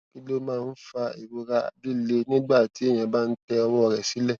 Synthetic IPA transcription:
ki˦lo˦mãː˦˧˦n̩˦fa˧i˨wo˧ɾa̰˧˨bi˦le˧nĩ˦ɡ͡ba˦˨ti˨˦e˦˨j̃ã˨ba˦n̩˦tɛ˧ɔ˧wɔ˦ɔ˨ɾɛ˨si˨˦lɛ˦˨

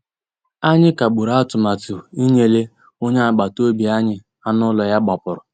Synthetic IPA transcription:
a˦ɲɪ˦ka˨ɡ͡bu˨ɾa˦tʊ˨ma˨tʊ˨i˦ɲe˨le˦ | o˦ɲa˦a˨ɡ͡ba˨to˦bi˨a˦ɲɪ˦ | a˦nʊ˦lɔ˨ja˦ɡ͡bɔ˨pʊ˨ɾʊ˨

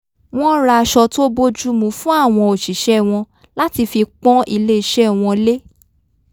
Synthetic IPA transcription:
w̃ɔ̃˦ɾa˧ʃɔ˧to˦bo˦d͡ʒu˦mũ˨˦fũ˦a˦˨w̃ɔ̃˧o˨ʃi˨ʃɛ˦˨w̃ɔ̃˧ | la˦ti˧fi˧k͡pɔ̃˦ʔi˧le˦i˨˧ʃɛ˦˨w̃ɔ̃˧le˦

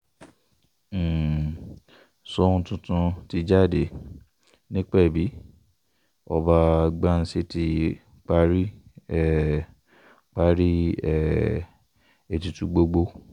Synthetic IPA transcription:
sɔ˦ũ˧tũ˧tũ˧ti˧d͡ʒa˦˨de˨ | nĩ˦k͡pɛ˦˨bi˨˦ | ɔ˧ba˧ɡ͡ba˦n̩˦si˦ti˧ | k͡pa˧˦ɾi˦ɛ˦˨ | k͡pa˧˦ɾi˦ɛ˦˨ | e˨tu˧tũ˨˧ɡ͡bo˧ɡ͡bo˧

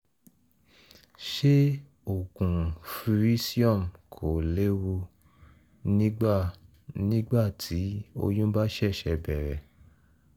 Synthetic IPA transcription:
ʃe˦ | o˨kũ˨fi˧ɾi˦si˦ɔ˦˨mkʰo˨le˦wo˧ | nĩ˦ɡ͡ba˦˨ | nĩ˦ɡ͡ba˦˨tʰi˨˦o̰˧jũ˦ba˦ʃɛ˦˨ʃɛ˧bɛ˨ɾɛ˨

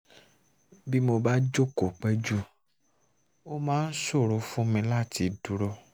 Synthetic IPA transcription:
bi˦mo˧ba˦d͡ʒo˦kɔ˨k͡pɛ˦d͡ʒu˦ | o˦mãː˦n̩˦so˦˨ɾo˧˦fũ˦mĩ˧la˦˨ti˧du˧˦ɾɔ˧

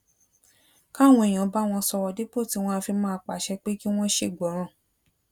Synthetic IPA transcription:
ka˦˨w̃ɔ̃˧e˨j̃ã˨˦ba˦w̃ɔ̃˧sɔ˧wɔ˧de˦k͡po˦˨ti˨˦w̃ɔ̃˦a˧fi˧mãː˧k͡pa˨ʃɛ˧k͡pe˦ki˦w̃ɔ̃˦ʃe˦˨ɡ͡bɔ˨˦ɾ̃ã˨˦˨

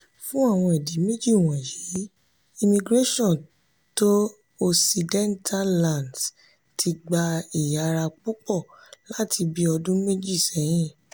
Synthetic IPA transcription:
fũ˦a˦˨w̃ɔ̃˧ɛ˨di˨˦me˦d͡ʒi˦˨w̃ɔ̃˨ji˨˦ | i˧mĩ˧ɡɾe˦ʃɔ̃˦˨ | to˦ | o˧si˧dɛ̃˦ntʰa˦lã˦˨nds | tʰi˧ɡ͡ba˧i˨ja˧ɾa˧k͡pu˦k͡pɔ˦˨la˨˦tʰi˧bi˦ɔ˧dũ˦me˦d͡ʒi˦˨sɛ˨˦j̃ĩ˦˨

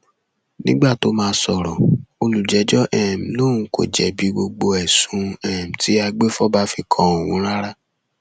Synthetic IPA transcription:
nĩ˦ɡ͡ba˦˨to˨˦mãː˧˦sɔ˨ɾɔ̃˨o˧lu˨d͡ʒɛ˨˦d͡ʒɔ˦ʔɛ˦˨m̩˨nõ˦˨ũ˨˦ko̰˨d͡ʒɛ˨bi˨˦ɡ͡bo˧ɡ͡bo˧ɛ˨sũ˨˧˦ɛ˦˨m̩˨tʰi˨˦a˧ɡ͡be˦fɔ˦ba˦fi˧kʰɔ̃˧o˨wũ˨˦ɾ̃a˦ɾa˦

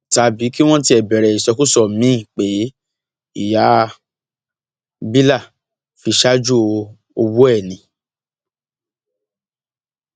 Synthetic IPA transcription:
ta˨˧bi˨˦ki˦w̃ɔ̃˦ti˧˦ɛ˨bɛ˨ɾɛ˨i˨sɔ˧ku˦sɔ˦˨mĩ˨˦i˦˨k͡pe˨˦ | i˦˨ja˨˦ | bi˦la˦˨ | fi˧ʃa˦d͡ʒu˦˧ | o˧wu˦ɛ˦˨nĩ˨

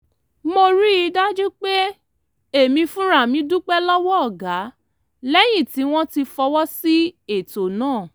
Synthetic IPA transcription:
mo˧ɾi˦i˧da˦d͡ʒɛ˦k͡pe˦ | e˦˨mĩ˧fũ˦ɾa˦˨mĩ˨˧du˦k͡pɛ˦lɔ˦wɔ˦ɔ˦˨ɡa˨˦ | lɛ˦j̃ĩ˦˨ti˨˦w̃ɔ̃˦ti˧fɔ˧wɔ˦si˦e˦˨to˨nãː˦˨

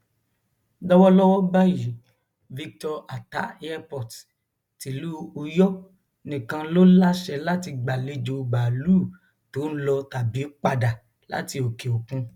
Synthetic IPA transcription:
dɔ˦wɔ˦lɔ˦wɔ˦ba˦ji˨˦ | vi˧k̚tɔ˧a˨ta˨˦a˧pɔ˨t | ti˨˦lu˦u˧jɔ˦ | nĩ˨kã˧˦lo˦la˦ʃɛ˧˦la˦ti˧ɡ͡ba˨le˧d͡ʒo˧˨ɡ͡ba˨luː˦˨ | to˨˦n̩˦lɔ˧ta˨bi˨˦k͡pa˧da˨ | la̰˦ti˧o˨ke˨o˨kũ˧

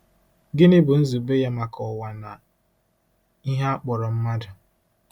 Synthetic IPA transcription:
ɡɪ˦nɪ˦bʊ˨n̩˦zu˨be˦ja˦ma˨kʰɔ˨wa˨na˨ | i˦ɦa˦a˦k͡pɔ˨ɾɔ˨m̩˦ma˦dʊ˨

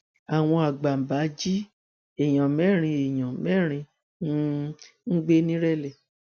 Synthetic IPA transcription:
a˨w̃ɔ̃˧a˨ɡ͡ba˨m̩˨ba˨˦d͡ʒi˦ | e˨j̃ã˨mɛ˦˨ɾ̃ĩ˧e˨j̃ã˨mɛ˦˨ɾ̃ĩ˧˦ | ŋ̩˦ɡ͡be˦nĩ˦ɾɛ˦lɛ˨

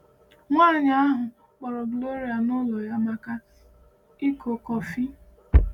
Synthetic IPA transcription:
ŋʷaː˦˨ɲa˨˦a˦ɦʊ˨ | k͡pɔ˨ɾɔ˨ɡlo˦ɾi˨a˨nʊ˦lo˨ja˦ma˨ka˦ | i˦kʰo˨kɔ˨fi˦

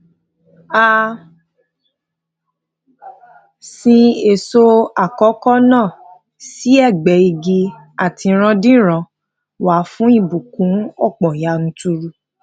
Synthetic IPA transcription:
a˧ | sĩ˧e˨so˦˧a˨kɔ˨˦kɔ˦nãː˦˨ | si˨˦ɛ˦˨ɡ͡bɛ˨i˧ɡi˧ | a˨ti˧ɾ̃ã˧dĩ˦ɾ̃ã˧ | wa˨˦fũ˦i˦˨bu˨kũ˨˦ɔ˦˨k͡pɔ̃˨ja˨˧ñ̩˨˦tu˧ɾu˧

